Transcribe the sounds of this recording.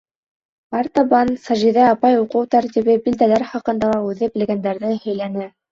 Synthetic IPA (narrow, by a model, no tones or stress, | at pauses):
ɑɾt̪ɑβɑnsɑʒiðæɑpɑjuqɤwt̪æɾt̪iβɘbild̪ælæɾχɑqɤ̆nd̪ɑlˠɑʉðɘbɘ̆lɡænd̪æɾðɘhɵ̆jlænɘ